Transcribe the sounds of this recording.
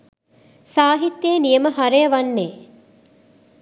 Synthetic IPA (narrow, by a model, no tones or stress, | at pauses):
saːɦit̪ːeːnijəməɦaɾejːʋanːeː